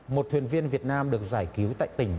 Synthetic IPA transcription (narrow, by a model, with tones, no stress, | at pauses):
mo˨˩t̚t̪ʰwḭ˨ənvi˧ənvi˨˩ət̚naː˧mɗɨ˨˩ək̚zaː˧˩jki˨˦wt̪a̰ː˧˨jt̪ï˧˩ŋ̟